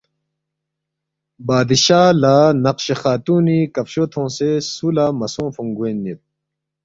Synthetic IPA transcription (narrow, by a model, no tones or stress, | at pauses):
baːd̪iɕaːlaːnɐqɕexaːt̪uːnikɐfɕoːt̪ʰõːsesulaːmɐsõːfũŋɡwenːit̪̚